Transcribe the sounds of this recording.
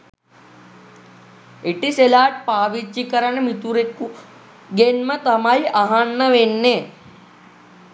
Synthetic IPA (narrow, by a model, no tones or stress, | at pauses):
iʈiselaːʈ̚paːʋit͡ʃːikɐɾɐɳɐmit̪uɾeku | ɡenmɐt̪ɐmaiʔaɦanːɐʋenːe